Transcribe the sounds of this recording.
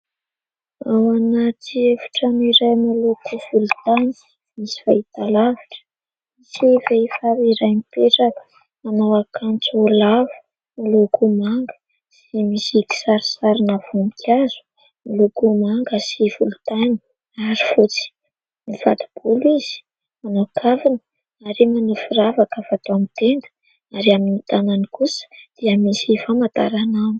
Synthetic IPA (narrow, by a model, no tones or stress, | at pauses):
awanat̪ievuʈ͡ʂaniɾajmalokuv̥ulut̪an | misi̥fa̰it̪alaviʈ͡ʂə̥ | isevefaɾiɾajmipeʈ͡ʂakə̥ | manawakant͡solavu̥ | malokumaŋɡə̥ | semisiki̥saɾisaɾinavumikʰʲazu̥ | milukumaŋɡəsifulut̪ani̥ | aɾifut͡si̥ | niva̰d̪ib̥uliz̥i̥ | manaakavinə | aɾimanufuravakavat̪oamit̪end̪ə̥ | aɾiaminit̪ananikusə̥d̪̥iamisifamat̪aɾanam